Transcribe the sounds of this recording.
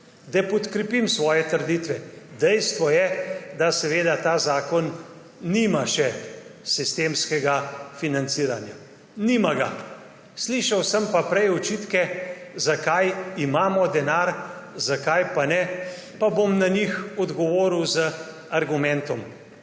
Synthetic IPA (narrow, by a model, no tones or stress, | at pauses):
d̪ɛpɔt̪kɾɛpimsʋɔːjɛt̪əɾd̪iːt̪ʋɛd̪ɛjst̪ʋɔjɛd̪asɛʋeːd̪at̪aːzaːkɔnː | imaʃɛsist̪eːmskɛɡafinant̪siːɾanja | nimaɡa̰ | sliʃawsəmpapɾɛjɔt͡ʃiːt̪kɛzakajimaːmɔd̪ɛnaɾzakajpanɛ | pabomnaɲixɔd̪ɡɔʋoːɾiwzə | aɾɡumɛ̃nt̪ɔm